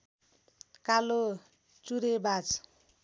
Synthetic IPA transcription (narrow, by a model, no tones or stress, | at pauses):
kalo | t͡suɾebat͡s